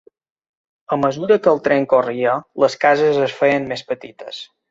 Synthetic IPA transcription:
əməzuɾəkəlˠt̪ɾeŋkoriələskazəzəsfejənmespət̪it̪ə̰s

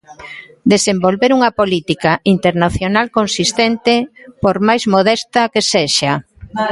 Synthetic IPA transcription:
d̪esembolβeɾuŋɐpolit̪ikaint̪eɾnaθjonalkonsist̪ent̪epoɾmajzmoð̞ɛst̪akeseʃa

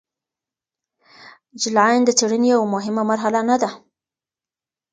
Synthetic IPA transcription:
d͡ʒɪlajnd̪ət͡seɽənejawmʊɦɪmamaɾɦalanad̪a

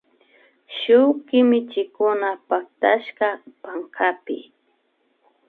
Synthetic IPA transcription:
ʃʊwkɪmɪt͡ʃɪkʊnapak̚t̪aʃkapaŋkʰapɪ̰

